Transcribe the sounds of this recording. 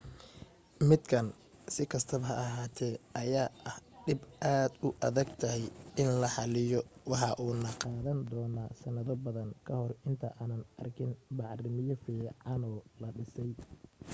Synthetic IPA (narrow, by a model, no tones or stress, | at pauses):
mɪd̪kʰɐn | sɪkʰɐst̪ʰɐβɐɦɐɐɦaːt̪ʰɛːʔɐjaːʔɐhɖɪbʔaːd̪ʊʔɐðɐɡt̪ʰɐɦɛjɪnlɐħɑlɪjɔwɑħɑʔuːnɐqɑːðɐnd̪ɔːnasɐnɐðɔbɐðɐŋkʰɐhɔrɪnt̪ʰɐʔaːnɐnɐ̰rkʰɪnbɑʕrɪmɪjɔfiːʕɑnɔːlɐɖɪsɛj